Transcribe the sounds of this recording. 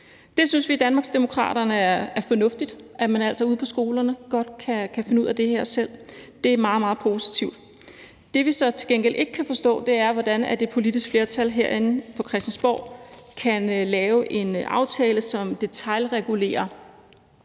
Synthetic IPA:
d̥e̝synsʋid̥ænmɑ̈ɡsd̥emo̝kʰʁɑ̰̈ːd̥ɐnəæɐæɐfɒnɔ̽fd̥id̥ʔæmænæl̰sɒ̽uð̞ˠpʰɒ̽sɡ̥o̝ːlɐnəɡ̥ɒ̽d̥̚kʰækʰæfe̝nəuð̰ˠæd̥e̝ɦeɐ̰sel̰d̥e̝æɐmɑ̈ːðˠmɑ̈ːð̩ˠpʰo̝si̥t͡sʰiʊ̰d̥ | d̥e̝ʋisɒ̽t͡sʰe̝lɡ̥en̰ɡ̥elʔe̝ɡ̥əkʰːæfɒ̽sd̥ɔ̰̽ːd̥e̝æɐʋɒd̥ænæd̥e̝pʰo̝lid̥isɡ̥fle̝ɐt͡sʰælɦeɐ̰e̝n̩pʰɒ̽kʰʁɛsd̥ænsb̥ɒ̰ʊ̰kʰænlɛːʊʔe̝nʔɑ̈ʊt͡sʰɛːləsɒ̽md̥e̝t͡sʰɑ̈ɪlʁɛɡ̥ule̝̰ːɐ

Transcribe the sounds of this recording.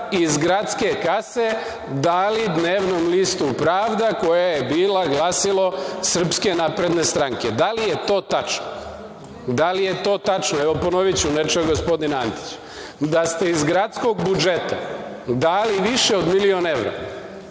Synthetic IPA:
izɡɾat̪ske̞kase̞ | d̪alid̪neːʋnomlist̪upɾaːʋd̪ako̞jajebiːlaɡlaːsilˠo̞sr̩pske̞naːpɾe̞d̪ne̞st̪ɾaŋke̞d̪alijet̪o̞ːt̪at͡ʃno | d̪alije̞t̪o̞ːt̪at͡ʃnoeʋo̞po̞no̞ʋit͡ɕunet͡ʃeɡo̞spo̞d̪inant̪i̥t͡ɕ | d̪ast̪e̞izɡɾat̪sko̞ɡbud͡ʒet̪ad̪aliʋiʃeod̪milio̞neʋɾo̰

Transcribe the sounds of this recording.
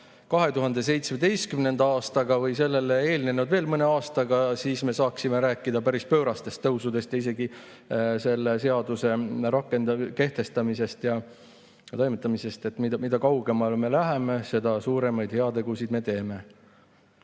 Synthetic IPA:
kɑɦe̞t̪uɦɑnd̪̥e̞s̬e̞jt̪smed̪̥e̞jst̪kymne̞nd̪ɑɑːst̪ɑɡ̥ɑvɤjse̞lːe̞leeːlne̞nud̪ve̞ːlmɤne̞ɑːst̪ɑɡ̥ɑsiːsme̞sɑːksime̞ɾæːkːˑid̪̥ɑpæɾispø̞ːɾɑst̪e̞st̪ːɤwsud̪e̞st̪jɑise̞ɡi | se̞lːese̞ɑd̪use̞rɑkːˑe̞nd̪ɑke̞ht̪e̞st̪ɑmise̞st̪jɑ | t̪o̞jmet̪ˑːɑmise̞st̪e̞t̪ːˑmid̪mid̪̥ɑkɑwɡ̥e̞mɑlme̞læɦe̞me̞se̞d̪̥ɑsuːɾe̞mɑjd̪̥he̞ɑt̪e̞ɡ̥usid̪me̞t̪e̞ːme̞

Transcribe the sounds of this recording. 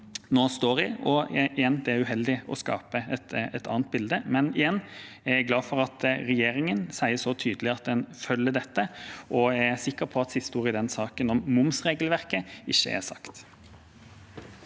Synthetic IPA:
noːst̪oːɾɪɔɪjɛnd̪ɛæɾʉɦɛld̪ɪɔ̰skɑ̰ːpəɛt̪ɛt̪ɑ̰ːnt̪̚bɪld̪əmɛnɪjɛnː | æɾæɪɡlɑːfɔɾɑt̪ɾɛjeːɾɪŋənsæɪəsɔt̪ʰyːd̪əlɪɑt̪̚d̪ɛnfœlːəɖ̪ɛt̪ːəʔɔæsɪkːəɾpʰɔɑt̪sɪst̪əuːɾɪd̪ɛnsɑːkənɔmmʊmsʁeːɡəlʋæʁkəɪçːə̰ʔæ̰sɑ̰kt̪

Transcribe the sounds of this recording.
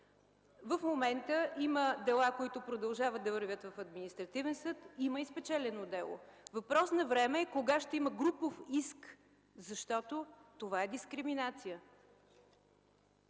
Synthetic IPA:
vəfmomɛnt̪əiməd̪ɛlˠakoit̪ʊpɾod̪ɐlˠʒavət̪̚ːɐvəɾvʲət̪vɐfɐd̪minist̪ɾɐt̪ivɛnsɤt̪iməispɛt͡ʃɛlɛnod̪ɛlˠo̰vɐpɾɔsnɐvɾɛmɛːkoɡaʃt̪ɛiməɡɾupofisk | zɐʃt̪ɔt̪ot̪ovaɛd̪iskɾiminat̪sijə

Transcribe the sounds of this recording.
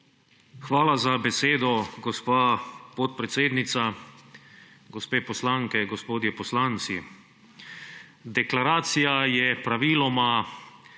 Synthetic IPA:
xʋaːlazabɛseːd̪ɔɡɔspaːpɔt̪̚pɾɛt̪seːd̪nit̪sa | ɡɔspeːpɔslaŋkɛɡɔspoːd̪jɛpɔslant̪si | d̪ɛklaɾaːt̪sijajɛpɾaʋiːlɔma

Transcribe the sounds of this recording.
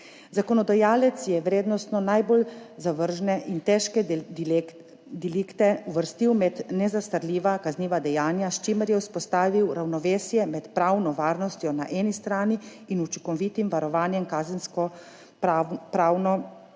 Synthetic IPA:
zakɔnɔd̪ajaːlɛt̪sjɛʋɾeːd̪nɔst̪nɔnajbolzaʋəɾʒnɛʔint̪ɛʃkɛ | d̪iliːkt̪ɛuʋəɾst̪iwmɛd̪nɛzast̪əɾlʲiːʋakazniːʋad̪ɛjaːnjaʃt͡ʃiməɾjɛwspɔst̪aːʋiwɾawnɔʋeːsjɛmɛt̪pɾaːwnɔʋaːɾnɔst̪jɔnaʔɛːnist̪ɾaːni | inut͡ʃikɔʋit̪imʋaɾɔʋaːnjɛmkaːzɛnskɔ | apɾaːwnɔ

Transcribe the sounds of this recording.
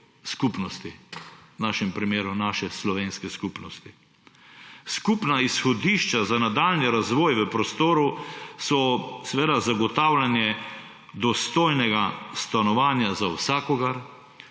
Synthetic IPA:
skupnɔst̪inaːʃɛmpɾimeːɾunaːʃɛslɔʋeːnskɛskupnɔst̪i | skupnaisxɔd̪iʃt͡ʃazanad̪aːlniɾazʋɔːjʋəpɾɔst̪oːɾusɔsɛʋeːd̪azaɡɔt̪aːwlanjɛ | d̪ɔst̪oːjnɛɡast̪anɔʋaːnjazawsaːkɔɡaɾ

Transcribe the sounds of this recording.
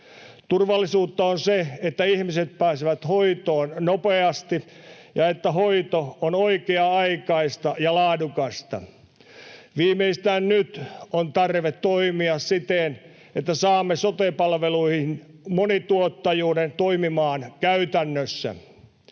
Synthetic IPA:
t̪urʋɑlːisuːt̪ːɑonseet̪ːæihmiset̪̚pæːsiʋæt̪hoit̪oːnnopeɑst̪i | jɑet̪ːæɦoit̪oonoikeɑɑikɑist̪ɑjɑlɑːdukɑst̪ɑ̰ | ʋiːmeist̪æːnnyt̪ont̪ɑrʋet̪ːoimiɑssit̪en | et̪ːæsɑːmːesot̪epɑlʋeluihin | monit̪uot̪ːɑjuːdent̪oimimɑːnkæyt̪ænːøsːæ̰

